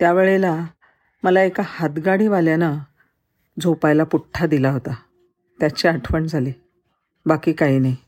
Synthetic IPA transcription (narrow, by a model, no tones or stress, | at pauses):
t̪jaʋeɭela | məlaekahat̪ɡaɽiːʋaljana | d͡zopajlapuʈʰːad̪ilaɦot̪a | t̪jat͡ɕeaʈʰʋəɳd͡zʱale | bakiːkaɦiːnaɦi